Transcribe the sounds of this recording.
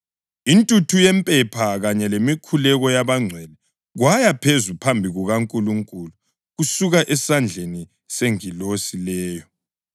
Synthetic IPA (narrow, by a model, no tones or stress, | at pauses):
intʼutʰujɛmpʼɛpʰaɣaɲɛlemikʰulɛɣɔjaβaŋ͡ǀʱwɛlɛ | ɣwajapʰezupʰambʱiɣuɣaŋkʼuluŋkʼulu | ɣusuɣaʔɛsand͡ɮʱeni | seŋilosilɛːjɔ